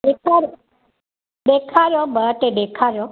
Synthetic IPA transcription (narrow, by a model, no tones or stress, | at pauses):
ekʰaɾ | ɖekʰaɾobəʈed̪ekʰaɾo